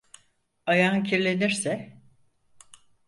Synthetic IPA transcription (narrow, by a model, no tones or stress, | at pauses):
ajancʰiɾlʲe̞niɾsɛ